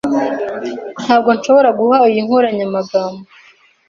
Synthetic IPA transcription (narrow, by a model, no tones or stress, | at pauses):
n̥haːb̚ɡo̞nʃo̞βo̞ɾaɡuhaijiŋ̥oɾaɲamaɡaːmbo